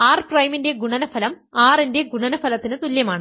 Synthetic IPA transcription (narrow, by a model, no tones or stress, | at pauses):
aːrprɐjminde̞ɡuɳɐnɐfɐlɐm | aːrinde̞ɡuɳɐnɐfɐlɐt̪ːinɨt̪uljɐmaːɳɨ